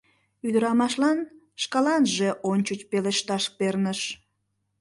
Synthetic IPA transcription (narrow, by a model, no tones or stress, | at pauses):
yd̪əɾɑmɑʃlɑn | ʃkɑlɑnʒe̽ʔonʲt͡ɕut͡ɕpeleʃt̪ɑʃpernəʃ